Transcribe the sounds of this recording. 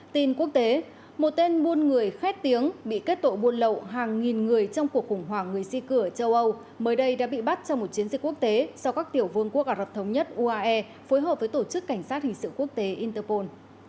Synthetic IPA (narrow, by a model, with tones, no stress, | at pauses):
t̪i˨˩nku˦˥ək̚t̪e˨˦ | mo˨˩t̚t̪e˧nɓu˧ənŋɨ˨˩əjxɛ˦˥t̚t̪i˨˦əŋɓḭ˧˨ke˦˥t̚t̪o̰˧˨jɓu˧ənlə̰˧˨wɦaː˨˩ŋːi˨˩nŋɨ˨˩əjt͡ɕɔ˧wŋ͡mku˨˩ək̚xʊ˧˩ŋ͡mɦwaː˧˩ŋɨ˨˩əjsi˧kɨ˧˩ət͡ɕə˧wʔə˧w | məː˨˦jɗə˧jɗa̰ː˧˥ɓḭ˧˨ɓa˦˥t̚t͡ɕɔ˧wŋ͡mmo˨˩t̚t͡ɕi˨˦ənzï˨˩k̟kːu˦˥ək̚t̪e˨˦sɔ˧wkaː˦˥k̚t̪i˧˩əwvɨ˧əŋku˦˥ək̚ʔaː˧˩lə˨˩p̚t̪ʰə˨˦wŋ͡mɲə˦˥t̚ʔu˧ʔaː˧ʔɛ˧ | fo˨˦jɦəː˨˩p̚və˨˦jt̪o˧˩t͡ɕɨ˦˥kːa˧˩jŋ̟saː˦˥t̚hï˨˩ŋ̟sɨ̰˧˨ŋku˦˥ək̚t̪e˨˦ʔi˧nt̪ə˧po˧n